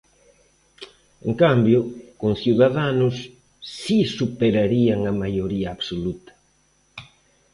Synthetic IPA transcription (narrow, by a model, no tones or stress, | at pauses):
ḛŋkambjʊkoŋθjuðaðanʊsː | isupeɾaɾiaŋɐmajoɾiaːβsolut̪ɐ̥